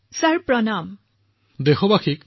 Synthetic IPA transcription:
saɹpɹɔnam | dexɔbaxik̚

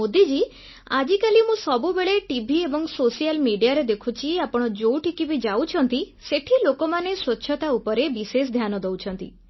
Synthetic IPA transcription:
od̪id͡ʒi | ad͡ʒikalimũsɔbubeɭeʈibʱiebɔŋsosijalmiɖijaɾed̪ekʰut͡ʃʰiapɔɽ̃ɔd͡ʒowʈikibid͡ʒawt͡ʃʰɔnt̪i | seʈʰilokomaneswɔtːʃʰɔt̪aupɔɾebises̬d̪ʱjanɔd̪ɔwt͡ʃʰɔnt̪ḭ

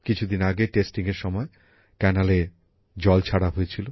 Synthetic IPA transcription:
kit͡ɕʰud̪inaɡeʈesʈiŋeɾʃɔmɔe | kɛnale | d͡ʑɔlt͡ɕʰaɽaɦoet͡ɕʰilo

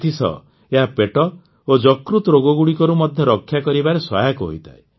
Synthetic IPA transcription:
t̪ʰisɔ̰ | eɦapeʈɔ | od͡ʒɔkɾut̪ɔɾoɡɔɡuɽikɔɾumɔd̪ʱjɔɾɔkʰːjakɔɾibaɾeswa̰jakɔɦo̰jt̪ʰa̰e

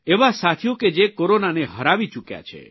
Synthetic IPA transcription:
ebasat̪ʰijoked͡ʒekoɾonaneɦɔɾabit͡ʃukja̰t͡ʃʰḛ

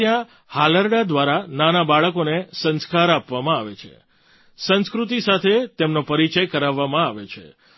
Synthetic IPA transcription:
jã | haləɾɖad̪ʋaɾananabaɭəkonesə̃nskaɾapʋamãaʋet͡ʃʰḛ | sə̃nskɾut̪̬isat̪ʰet̪emnopəɾit͡ʃəjkəɾaʋːamãaʋet͡ʃʰḛ

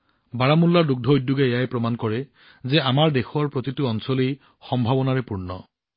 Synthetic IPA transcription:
baɹamulːaɹduɡ̚dʱɔːjdːuɡɛejajpɹɔmankɔɹɛ | zɛamaɹdexɔɹpɹɔt̪itʊɔnsɔlij | xɔmbʱabɔnaɹɛpuɹnɔ̰

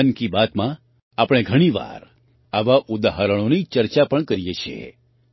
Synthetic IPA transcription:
nkibat̪mã | apəɽ̃eɡʱəɽ̃iʋa̰ɾ | aʋaʔud̪aɦaɾəɽ̃onit͡ʃəɾt͡ʃapəɳkəɾijet͡ʃʰiḛ

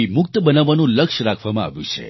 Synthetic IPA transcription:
imʊk̚t̪əbənaʋanũləkʃɾakʰʋamãa̰ʋjṵ̃t͡ʃʰḛ

